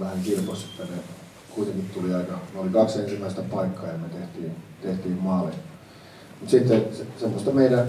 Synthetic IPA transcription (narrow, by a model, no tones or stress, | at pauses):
ʋæhæŋkirpose̥t̪ːæne | kuit̪eŋkit̪t̪uliɑikɑneolikɑksensimːæˑist̪æpɑikːɑːjɑmet̪eht̪iːnt̪eht̪iːmmɑːle | mut̪sit̪ːesesemːost̪ɑmeidæ